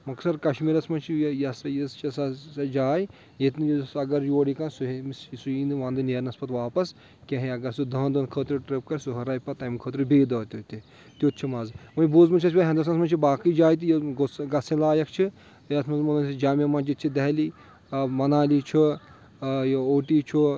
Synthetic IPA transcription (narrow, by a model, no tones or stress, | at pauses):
mɐksɐɾkɐʃmiːɾɐsmɐnt͡ʃʰijɐsjɐt͡ʃɐsɐɐd͡ʒaːj | jet̪nijsɐɡɐɾjoːɽikɐnsumissuiːnd̪ʋãːnd̪ɨneːɾnɐspɐt̪ʋaːpɐs | kʲɐ̃ɦiɐɡɐɾsud̪ɐːnd̪ɐːnkʰəːt̪ɾiʈɾep̚kɐɾʲsuɦɐɾaːjpɐt̪ɐmkʰəːt̪ɾibeːd̪ɐːt̪ʲot̪i | t̪jot̪̚t͡ʃʰimɐzmɐjboːzmɐt͡ʃʰɐs̬ʲbʲaɦʲɐ̃nd̪ɐs̬ɐsmɐnt͡ʃʰibaːkid͡ʒaːjt̪̬ijɡoɡɐsẽlaːjɐkʰt͡ʃʰi | ɐsʰmɐzmonɐnʲsid͡ʒaːmʲemɐd͡ʒit̪t͡ʃʰid̪ɐɦli | ɐmɐnaːlit͡ʃʰu | joːʈiːt͡ʃʰu